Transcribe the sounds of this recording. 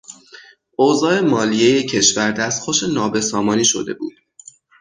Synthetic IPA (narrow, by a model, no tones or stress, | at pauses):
oːzɒːe̞mɒːlijeje̞cʰe̞ʃvæɾd̪æst̪xoʃe̞nɒːbe̞sɒːmɒːniːʃo̞̰d̪e̞̰bṵːd̪̥